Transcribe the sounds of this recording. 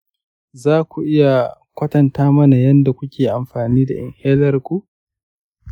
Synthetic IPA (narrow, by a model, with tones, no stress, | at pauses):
zaː˦kʷu˨ʔɪ˦ja˨ | kʷɐ˦tɐ˨ntaː˦mɐ˦na˨jɐ˦nda˨kʷʊ˦kʲʰeː˨ʔa˨mɸaː˨niː˦da˨ʔɪ̰˨ŋheː˦lɐ˦rkʷu˦ʔ